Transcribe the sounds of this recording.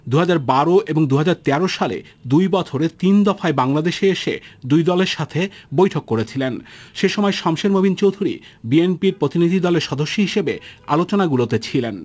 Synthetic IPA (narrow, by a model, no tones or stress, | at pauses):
d̪uɦad͡ʑaɾbaɾoʔeboŋd̪uɦad͡ʑaɾt̪ɛɾoʃalḛ | d̪ujbɔt͡ɕʰoɾet̪ind̪ɔfaebaŋlad̪eʃeeʃḛd̪ujd̪ɔleɾʃat̪ʰebojʈʰokːoɾet͡ɕʰilenʃeʃɔmɔeʃɔmʃeɾmobʱint͡ɕowd̪ʱuɾḭ | bienpiɾpɾot̪inid̪ʱid̪ɔleɾʃɔd̪oʃːoɦiʃebealot͡ɕonaɡulot̪et͡ɕʰilen